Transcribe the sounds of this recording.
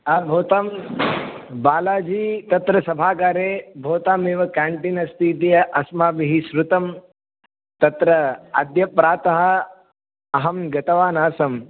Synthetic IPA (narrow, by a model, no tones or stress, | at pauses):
ɐbʱoːt̪aːm | baːlaːd͡ʒiːt̪ɐt̪ɾɐsɐbʱaːkaːɾeːbʱoːt̪aːmeːʋɐkaːɳʈinɐst̪iːt̪̬ijɐʔɐsmaːbiɦiʃɾut̪ɐm | t̪ɐt̪ɾɐɐ̰d̪jɐpɾaːt̪ɐɦɐ̆ | ɐɦɐmɡɐt̪ɐʋaːnaːsɐm